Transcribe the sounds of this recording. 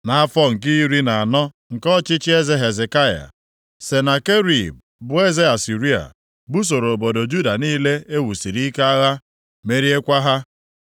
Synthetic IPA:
na˨a˦fɔ˦ŋ̩˨k̬i˦ɾi˦na˨a˨nɔ˦ | ŋ̩˨kɔ˦t͡ʃɪ˦t͡ʃɪ˦e˦ze˦ɦe˨ze˨ka˦ja̰˨ | se˨na˨ke˦ɾi˨b̚ | bʊ˦e˦ze˦a˨si˨ɾi˦a̰˨ | bu˦s̬o˨ɾo˨bo˨do˨d͡ʒu˦da˨niː˦le˦e˦wu˨si˨ɾi˦ka˦a˦ɣa˦ | me˦ɾi˦e˦kʷa˦ɦa˦

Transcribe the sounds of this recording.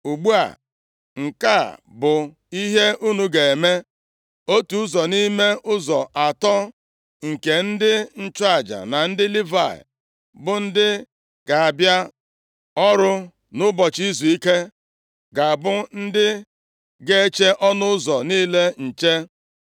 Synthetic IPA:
u˨ɡ͡bu˦a̰˨ | ŋ̩˨ka˦˨bʊ˨ | i˦ɦe˦ʔu˦nu˨ɡe˨e˨me˦ | o˦tu˨ʊ˦zɔ˨ni˦me˦ʔʊ˦zɔ˨ʔa˨tɔ˦ | ŋ̩˨ke˨n̩˦dɪ˦n̩˦t͡ʃʊ˦a˨d͡ʒa̰˨na˨n̩˦dɪ˦li˦va̰˨ɪ̰˨ | bʊ˨n̩˦dɪ˦ | ɡ̥a˨a˨bja˦ | ɔ˦ɾʊ˦ | nʊ˦bɔ˨t͡ʃi˦zu˨i˦ke˦ | ɡa˨bʊ˦n̩˦dɪ˦ | ɡe˦t͡ʃe˦ʔɔ˦nʊ˦ʊ˦zɔ˨niː˦le˦n̩˨t͡ʃe˦

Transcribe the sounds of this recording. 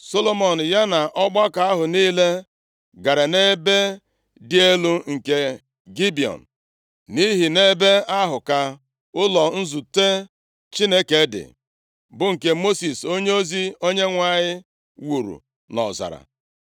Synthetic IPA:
so˦lo˦mɔ˨n̩˨ja˦na˨ʔɔ˦ɡ͡ba˦ka˦a˦ɦʊ˨niː˦le˦ | ɡa˨ɾa˨ne˦be˦ | dɪ˦e˦lu˦ŋ̩˨ke˦ | ɡi˦bi˨ɔ̰˨n̩˨ | ni˦ɦi˨ne˦be˦a˦ɦʊ˨ka˦ | ʊ˦lɔ˨n̩˦zu˨te˦ | t͡ʃi˦ne˦ke˨˦dɪ̰˨ | bʊ˦ŋ̩˨ke˦mo˦si˨so˦ɲe˦o˦zi˦o˦ɲe˦ŋʷa˨ɲɪ˦ | wu˨ɾṵ˨ | nɔ̰˨za̰˨ɾa̰˨

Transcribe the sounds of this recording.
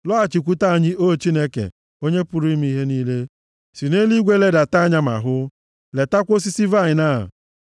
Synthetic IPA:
lɔ˦a˨t͡ʃi˨kʷu˦ta˦a˨ɲi˦ʔo˦t͡ʃi˦ne˦kḛ˨ | o˦ɲe˦pʊ˨ɾi˦m˦i˦ɦe˦niː˦le˦ | si˨ne˦li˦ɡʷe˦le˦da˨ta˦˨ɲa˦ma̰˨ɦʊ˦ | le˨ta˦kʷo˦si˦si˦va˦˨ɲɪ˨na̰˦˨

